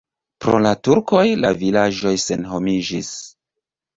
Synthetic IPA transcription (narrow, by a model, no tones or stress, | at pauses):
pɾo̞̰latuɾko̞jlavilad͡ʒo̞jse̞nɦo̞mid͡ʒis